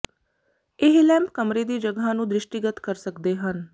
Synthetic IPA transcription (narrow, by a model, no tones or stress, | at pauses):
ɪɦlɛ̃ːmpkəmɾeːd̪iːd͡ʒəɡãːnũːd̪ɾɪʃʈiːɡət̪kəɾsəkd̪eːɦən